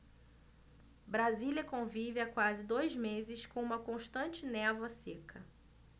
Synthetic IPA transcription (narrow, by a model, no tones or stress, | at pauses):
bɾazilʲɐkõvivɪakwazɪd̪ojzmezɪskõũmɐkõʃt̪ɐ̃nt͡ʃɪnɛvɐsekʰɐ